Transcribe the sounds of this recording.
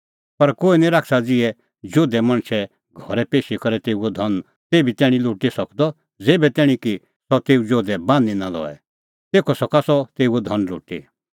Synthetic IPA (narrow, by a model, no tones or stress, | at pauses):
pɐɾkoːinĩɾaːkʰsad͡zɪɛ | d͡ʒoːd̪ɛmɐ̃ɽ̃t͡ʃʰɛ | ɡʱɔɾɛpeːʃikɐɾɛt̪eːuɔd̪ʱɔn | t̪eːbʱit̪ɛːɽ̃ĩlʊːʈisɐkd̪ɔ | d͡zeːbɛt̪ɛːɽ̃ĩki | sɔt̪eːud͡ʒoːd̪ɛbãːninalɔ̰ːɛ̰ | t̪eːkʰɔsɔkasɔt̪eːuɔd̪ʱɐnlo̰ːʈḭ